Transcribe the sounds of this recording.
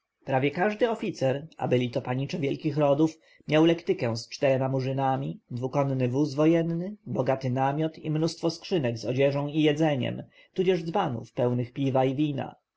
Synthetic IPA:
pɾavʲjɛkaʐd̪ɘɔfʲit̪sɛɾa̰bɘlʲit̪ɔpaɲit͡ʂɛvʲjɛlkʲixɾɔd̪uf | mʲjawlɛkt̪ɘkɛw̃st͡ʂt̪ɛɾɛmamuʐɘnamʲid̪vukɔnːɘvuzvɔjɛnnɘbɔɡat̪ɘnamʲjɔt̪ḭmnust̪fɔskʂɘnɛɡzɔd͡ʑɛʐɔ̃w̃ijɛd̪zɛɲɛ̰m | t̪ud͡ʑɛʐd̪zbanṵfpɛwnɘxpʲivaivʲina̰

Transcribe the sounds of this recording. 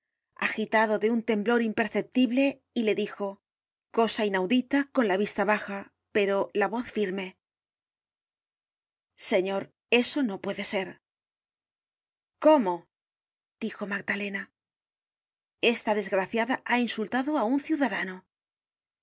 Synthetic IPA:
a̰xit̪aðo̞ðe̞unt̪e̞mblo̞ɾimpe̞ɾθe̞p̚t̪iβle̞ | ile̞ðixo̞ | ko̞sainawðit̪ako̞nlaβ̞ist̪aβaxa | pe̞ɾo̞laβo̞θfiɾme̞ | se̞ɲo̞ɾ | e̞so̞no̞pwe̞ðe̞se̞ɾ | ko̞mo̞ | d̪̥ixo̞maɡ̚d̪ale̞na | e̞st̪aðe̞zɣɾaθjaðaʔainsult̪aðo̞aunθjuðaðano

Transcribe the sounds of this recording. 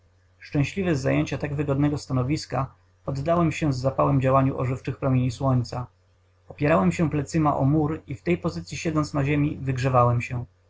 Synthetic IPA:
ʂt͡ʂɛ̃w̃ɕlʲivɛzːajeɲt͡ɕat̪aɡvɘɡɔd̪nɛɡɔst̪anɔvʲiska | ɔd̪ːawɛmɕɛvzapawɛmd͡ʑawaɲuʔɔ̰ʐɘft͡ʂɘxpɾɔmʲjeɲiswɔɲt̪sa | ɔpʲjɛɾawɛmɕɛplɛt̪sɘmaʔɔmuɾift̪ɛjpɔzɘt̪sʲjiɕɛd̪zɔnt̪snaʑemʲivɘɡʐɛvawɛmɕɛ

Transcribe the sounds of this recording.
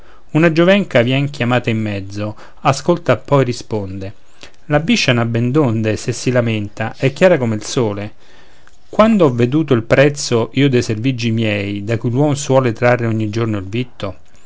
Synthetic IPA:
unad͡ʒovɛŋkavjɛŋkjamaːt̪aimːɛd̪zːo | askolt̪apːɔjɾispond̪e | labiʃːanabːend̪ond̪esesːilamɪnt̪aʔɛkːjaːɾakomeilsoːle | kwand̪oɔvːed̪uːt̪̬oilpɾɛt̪sːoʔiːod̪ejservid͡ʒːimjɛjd̪akujlwɔmswɔːlet̪ɾarːeɔɲːid͡ʒornoilvit̪ːo

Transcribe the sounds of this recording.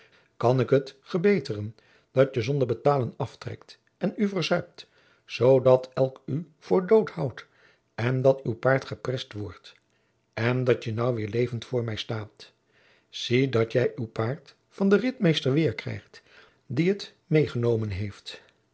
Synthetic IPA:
kɑnɪkɦətfəɹbejtərən | d̥ɑtjəzɔndəɹbətaːlənɑftrɛ̰kt | ɛnyvəɹzœɥp̚t | z̥owdɑtʰɛlˠky | v̥ʊːɹdowthʌwt | ɛndɑtywpaːɹtχəprɛstʋɔɹt | ɛndɑtjənʌwʋɪːɹlejvəntfʊːɹmɛjstaːt | z̥idɑtjɛjʔywpaːɹt | fɑndərɪtmejstəɹʋɪːɹkrɛ̰jχt | diət | mejχənowmənɦejft

